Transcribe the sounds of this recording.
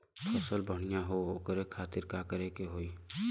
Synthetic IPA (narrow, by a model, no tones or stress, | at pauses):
pʰəsəlbʱəɽ̃ijãɦookəɾekʰaːt̪ɪɾkaːkəɾekeɦoːiː